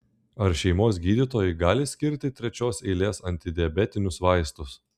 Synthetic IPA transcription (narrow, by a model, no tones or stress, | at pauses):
ɐɾʃʲɛɪmoːsɡʲiːd̪ʲit̪oːjɪɡɑːlʲɪsʲkʲɪɾʲt̪ʲɪt̪ʲɾʲɛt͡ʃʲoːsɛɪlʲeːsɐnʲt̪ʲɪd̪ʲɪɛbʲɛt̪ʲɪnʲʊsʋɑɪst̪ʊs